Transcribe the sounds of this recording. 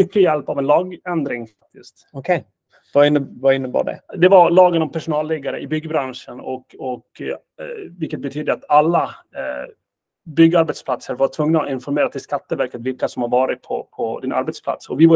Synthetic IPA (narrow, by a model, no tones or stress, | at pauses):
ʏkːəjɛlpavɛnlɑːɡɛnd̪ɾɪŋfak̚t̪ɪst̪ɔkʰɛ | vaɪnːəvaɪnːəbɑ̰ːɖɛ̰d̪ɛvaɭɑːɡənɔmpʰæʂʊnɑːlːɛɡaɾə̰ʔɪbʏɡːəbɾanʂənɔkɔk | vɪlkːət̪̚bɛt̪ʰyːd̪əat̪alːa | bʏɡːəaɾbɛt̪spʰlat̪səɾvaʈʰvɵŋnaɔɪnfɔɾmeːɾat̪ʰɪlskat̪ːəvæɾkət̪vɪlkasɔmhaɾvɑːɾɪt̪̚pʰɔ̰pʰɔd̪ɪnʔa̰ɾbɛt̪spʰla̰t̪sɔvɪva